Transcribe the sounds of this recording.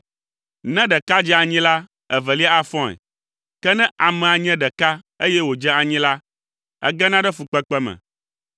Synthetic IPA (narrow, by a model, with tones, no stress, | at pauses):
nɛ̃˦ɖɛ˨ka˦d͡ʒɛ˦a˨ɲĩ˦la˦ | ɛ˨vɛ˨li˦a˦a˦fɔ̃˦ɛ̰˨ | kɛ˦nɛ̃˦ʔa˨mɛ̃˨a˨ɲɛ̃˦ɖɛ˨ka˦ | e˦jɛ˦wo˨d͡ʒɛ̃˦a˨ɲĩ˦la˦ | ɛ̰˦ɡɛ˦nã˦ɖɛ˦fu˨k͡pɛ˦k͡pɛ˦mɛ̰̃˨